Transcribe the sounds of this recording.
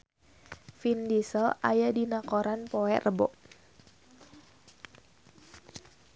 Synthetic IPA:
findisəla̰jadinakoɾanpɔɛʔrʔəbɔ̰ʔ

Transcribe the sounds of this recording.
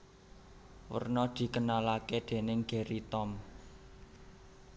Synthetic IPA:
wə̰rnɔd̪̥i̤kənalaked̪̥e̤nɪŋɡ̥e̤ɾit̪ɔm

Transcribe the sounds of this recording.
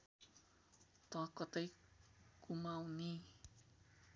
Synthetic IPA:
t̪ɔakɔt̪ɔjkumawni

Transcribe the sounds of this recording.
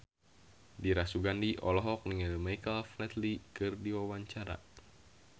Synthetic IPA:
diɾasuɡandiʔɔlɔɦɔk̚niŋalmajkəlflɛt̪likɨrdiwawaɲt͡ʃaɾa̰

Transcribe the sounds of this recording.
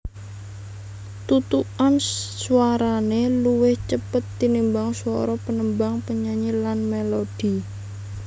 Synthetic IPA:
t̪ut̪uansuaɾaneluwɪht͡ʃəpət̪ːinimbaŋsuɔɾɔpənəmbaŋpəɲaɲilanmelod̥i

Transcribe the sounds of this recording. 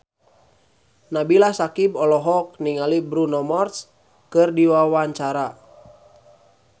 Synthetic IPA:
nabilasakibɔlɔɦɔk̚niŋalibɾunɔmɔrs | kɨrdiwawaɲt͡ʃaɾa

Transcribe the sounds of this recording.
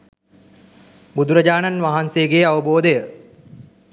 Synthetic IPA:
bud̪ʱuɾɐd͡ʑaːnanʋaɦanseɡeaʋəboːd̪ejə

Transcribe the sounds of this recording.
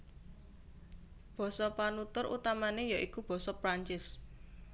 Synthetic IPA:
b̥ɔ̤sɔpanut̪ʊrʔṵt̪amanejaʔikub̥ɔ̤sɔpɾaɲt͡ʃɪs

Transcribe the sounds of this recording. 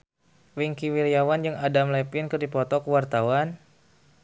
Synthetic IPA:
wiŋkiwiɾiawand͡ʒaŋadamlɛpinkɨrdipɔt̪ɔkəwart̪awan

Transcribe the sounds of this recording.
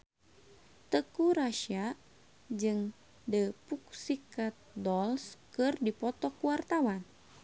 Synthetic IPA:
t̪əkuɾaʃia | d͡ʒɨŋ | dəpuk̚sikat̪̚dɔlskɨrdipɔt̪ɔkuwart̪awan

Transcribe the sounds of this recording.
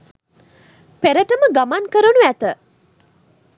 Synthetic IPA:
peɾəʈəməɡamankəɾənuæt̪ə

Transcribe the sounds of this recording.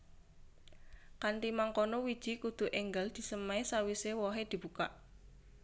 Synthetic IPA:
kant̪imaŋkɔnɔwid̥ʒ̥i̤kud̪̥ṳʔeŋɡəld̪̥i̤səmaesawisewɔɦed̪̥i̤b̥uka̰ʔ

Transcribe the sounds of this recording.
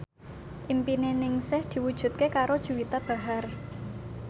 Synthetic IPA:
ʔimpinenɪŋsɪhd̪̥i̤wud̥ʒ̥ṳt̪̚kekaɾod̥ʒ̥ṳwit̪ab̥a̤ɦar

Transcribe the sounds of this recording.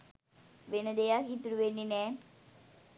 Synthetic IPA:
ʋenəd̪ejakit̪ɾuʋenːinɛː

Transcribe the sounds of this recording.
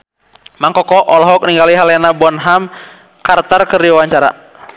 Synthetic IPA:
maŋkɔkɔʔɔlɔɦɔk̚niŋɡaliɦalɛnabɔnɦam | kart̪ɔrkərdiwawaɲt͡ʃaɾa̰

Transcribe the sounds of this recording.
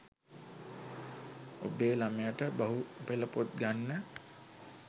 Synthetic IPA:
o̰beːlamejaʈəbaɦupeləpot̪̚ɡanːə

